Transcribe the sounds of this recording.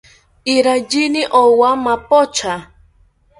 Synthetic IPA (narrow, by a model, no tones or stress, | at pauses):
iɾad͡ʒiniʔowamapot͡ʃʰa